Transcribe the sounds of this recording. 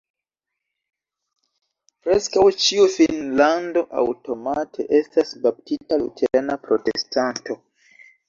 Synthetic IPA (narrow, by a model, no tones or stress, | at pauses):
pɾe̞skawt͡ʃiufinlando̞ʔa̰wto̞matʰe̞ʔe̞stasbap̚titalṵtʰeɾanapɾo̞te̞̰stanto̞